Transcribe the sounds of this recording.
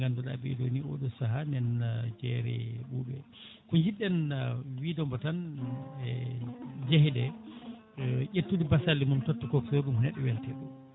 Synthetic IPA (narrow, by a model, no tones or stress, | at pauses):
ɡandɔɗa̰bɛ̰do̰nio̰ɗusaɦanɛnd͡ʒɛ̰ɾɛ̰ɓuːbɛ̰ | kuɲd͡ʒiɗɛnwidɔmbɔtanɛ | d͡ʒeɦidɛ | ʔetːudibasalːimumtotːukɔksoɗumhɔnɛɗːɛwɛltɛɗum